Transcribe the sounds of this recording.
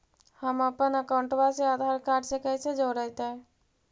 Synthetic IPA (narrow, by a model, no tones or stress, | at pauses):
həməpənəkaʊɳʈbasead̪ʱaɾkaɾɖsekəjsed͡ʒoɾəɦt̪aɛ